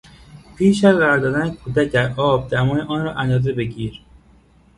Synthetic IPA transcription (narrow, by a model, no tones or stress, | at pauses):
pʰiːʃ̬æzɢæɾɒːɾd̪ɒːd̪ænekʰuːd̪æc̪æzɒːb̚d̪æmɒːjeʔɒːnɾɒːʔænd̪ɒːze̞be̞ɟiːɾ